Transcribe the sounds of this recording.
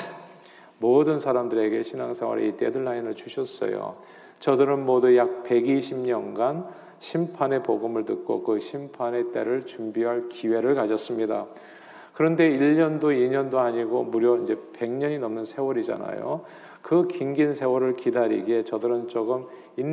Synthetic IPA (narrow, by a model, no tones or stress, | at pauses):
modɯnsʰaɾamdɯɾe̞ɡe̞ɕʰinaŋsʰawʌ̰ɾḭte̞dɯɭːainɯɭt͡ɕuɕʰʌs͈ʌ̰jo̰ | t͡ɕʌdɯɾɯnmodujak̚pe̞ɡiɕʰimɲʌnɡan | ɕʰimpʰane̞poɡɯmɯɭtɯk̚k͈o̰kɯɕʰimpʰane̞t͈e̞ɾɯɭt͡ɕumbiɦaɭkiwe̞ɾɯɭkad͡ʑʌs͈ɯmɲida | kɯɾʌnde̞iʎɲʌndoiɲʌndoaɲiɡomuɾjʌind͡ʑe̞pe̞ŋɲʌɲinʌmnɯnsʰe̞wʌɾid͡ʑa̰na̰jo̰ | kɯkiŋɡinsʰe̞wʌɾɯɭkidaɾḭɡie̞t͡ɕʌdɯɾɯnt͡ɕ͈oɡɯm | in